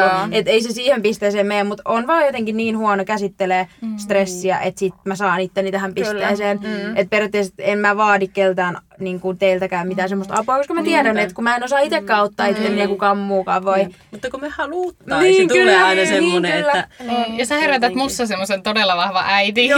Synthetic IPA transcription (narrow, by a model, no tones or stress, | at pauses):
et̪eisesiːhempist̪eiseːmmejæmmut̪onʋɑːjot̪eŋkinniːnhuɑnokæsit̪ːeleːst̪resːiæ̰ʔet̪sit̪mæsɑːnit̪ːenːit̪æhæmpiseːseːnet̪̚perjot̪ːeiset̪emmæʋɑːdikkelt̪æːn | niːŋkunt̪eilt̪ækæːmmit̪æːsemːost̪ɑ̰puɑkoskɑmæt̪iæɾænet̪kumæenosɑːit̪ekːæːot̪ːɑːit̪ːenneːkukɑːmmuːkɑːʋʋoimut̪ːɑkomehɑluːt̪ːnisːŋk̪ylːeɑinɑsenimːoneylːæjɑsæheræt̪æt̪musːɑsemːosent̪odelːɑʋɑhʋɑ̰ʔæit̪i